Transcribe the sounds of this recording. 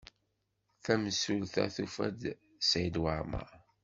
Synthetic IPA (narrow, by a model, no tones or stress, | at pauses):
θæməsulθæ̰θufæ̰d̪ | sajd̪waɾma̰